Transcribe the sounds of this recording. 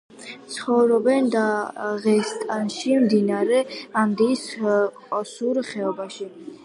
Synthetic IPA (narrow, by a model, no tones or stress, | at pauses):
t̪sʰχɔvɾɔbɛnd̪aʁɛst̪ʼanʃimd̪inaɾɛamd̪isqʼɔsuɾχɛɔbaʃi